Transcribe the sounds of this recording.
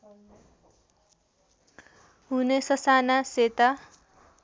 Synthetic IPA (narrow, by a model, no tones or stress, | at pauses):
ɦunesʌsanaset̪a